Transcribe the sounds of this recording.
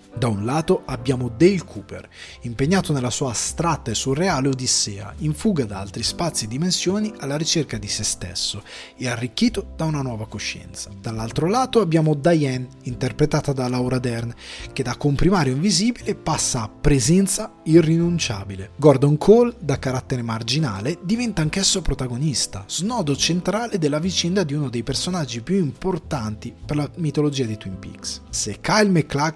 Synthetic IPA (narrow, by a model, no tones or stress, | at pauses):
d̪aunlaːt̪oʔabːjaːmod̪elkʰuːpḛr | impeɲːaːt̪onelasuːast̪ɾat̪ːaesːureaːleod̪isɛːa̰iɱfuːɡad̪aalt̪ɾispat̪sːied̪ːimensjoːnialːaɾit͡ʃerkad̪isest̪ḛsːo | earːikːiːt̪od̪aunanwɔːvakoʃːɛ̰nt̪sḁd̪̥alːalt̪ɾolaːt̪oabːjaːmod̪ajɛnint̪erpɾet̪aːt̪ad̪alawɾad̪ɛrnk̟ed̪akːompɾimaːɾjoiɱviziːbilepasːaːpːɾezɛnt̪sairːinunt͡ʃa̰ːbileɡɔrd̪oŋkʰold̪akaɾat̪ːeɾemard͡ʒina̰ːled̪ivɛnt̪aːŋkɛsːopɾot̪aɡonist̪a̰z̥nɔːd̪ot͡ʃent̪ɾaːled̪elːavit͡ʃɛnd̪ad̪iunod̪ejpersonad͡ʒːipjuimport̪ant̪iperlamit̪olod͡ʒiːad̪it̪wimpḭkssekːajlmekːlak